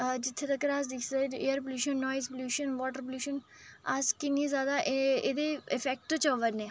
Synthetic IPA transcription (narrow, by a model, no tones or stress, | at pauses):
d͡ʒɪt̪ʰːet̪ɐkɾaːsd̪ɪkʰseeːəɾp̬əluːʃənːɔːɪzpljuːʃənʋɔːʈəɾpljuːʃən | askɪniːzjaːd̪aʔed̪eɪfɛk̚ʈt͡ʃɔːʋəɾnẽː